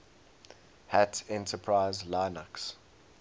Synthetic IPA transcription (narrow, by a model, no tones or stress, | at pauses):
hætɛ̃ntəpʰɹaɪzlaɪnaks